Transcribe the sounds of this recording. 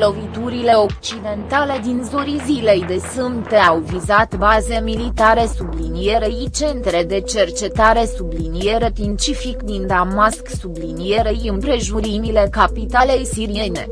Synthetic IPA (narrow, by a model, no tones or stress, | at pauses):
lo̞vit̪uɾile̞o̞kt͡ʃid̪e̞nt̪ale̞d̪inzoɾizile̞jd̪e̞sɨmpt̪eawvizat̪baze̞milit̪aɾe̞sublinije̞ɾeit͡ʃe̞nt̪ɾe̞d̪e̞t͡ʃe̞rt͡ʃe̞t̪aɾe̞sublinijeɾep̪ɾint͡ʃifikd̪ind̪amasksublinije̞ɾejɨmpɾe̞ʒuɾimile̞kapit̪ale̞jsiɾijene̞̰